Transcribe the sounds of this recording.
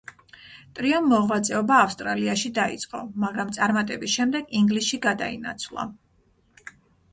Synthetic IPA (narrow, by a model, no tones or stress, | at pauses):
t̪ʼɾiɔmːɔʁwat̪sʼɛɔbaːfst̪ʼɾaliaʃid̪aḭt̪sʼqʼɔmaɡɾamt̪sʼaɾmat̪ʼɛbisʃɛmd̪ɛɡiŋɡlisʃiɡad̪aḭna̰t̪sʰvlˠa̰